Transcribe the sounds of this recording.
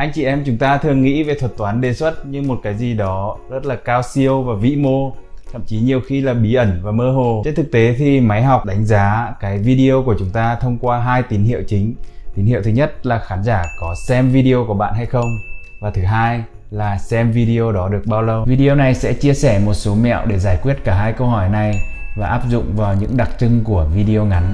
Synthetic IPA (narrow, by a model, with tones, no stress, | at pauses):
ʔa˧jŋ̟t͡ɕi˧˩ʔɛ˧mt͡ɕʊ˨˦ŋ͡mt̪aː˧t̪ʰɨ˨˩əŋːḭ˧˥ve˨˩t̪ʰwə˨˩t̚t̪waː˨˦nɗe˨˩swə˦˥t̚ɲɨ˧ŋmo˨˩t̚kaː˨˦jzi˨˩ɗɔ˨˦zə˦˥t̚laː˨˩kaː˧wsi˧əwvaː˨˩vḭ˧˥mo˧t̪ʰə̰˧˨mt͡ɕi˨˦ɲi˨˩əwxi˧laː˨˩ɓi˨˦ʔə˧˩nvaː˨˩məː˧ɦo˨˩t͡ɕe˧nt̪ʰɨ˨˩k̚t̪e˨˦t̪ʰi˨˩ma˨˦jɦɔ˨˩wk͡p̚ɗa˨˦ŋ̟zaː˨˦kaː˨˦jvi˧ɗi˧o˧ku˧˩ət͡ɕʊ˨˦ŋ͡mt̪aː˧t̪ʰə˧wŋ͡mkwaː˧ɦaː˧jt̪i˨˦nhḭ˧˨əwt͡ɕï˨˦ŋ̟t̪i˨˦nhḭ˧˨wt̪ɨ˨˦ɲə˦˥t̚laː˨˩xaː˨˦nzaː˧˩kɔ˨˦sɛ˧mvi˧ɗi˧o˧ku˧˩əɓa̰ː˧˨nha˧jxə˧wŋ͡m | vaː˨˩t̪ʰɨ˨˦ɦaː˧j | laː˨˩sɛ˧mvi˧ɗi˧o˧ɗɔ˨˦ɗɨ˨˩ək̚ɓaː˧wlə˧wvi˧ɗi˧o˧na˨˩jsɛ̰˧˥t͡ɕi˧əsɛ˧˩mo˨˩t̚so˨˦mɛ̰˧˨wɗe˧˩zaː˧˩jkwi˦˥ət̚kaː˧˩ɦaː˧jkə˧whɔ˧˩jna˨˩j | vaː˨˩ʔaː˦˥p̚zʊ̰˧˨ŋ͡mvaː˨˩wɲɨ̰˧˥ŋɗa˨˩k̚t͡ɕɨ˧ŋku˧˩əvi˧ɗi˧o˧ŋa˨˦n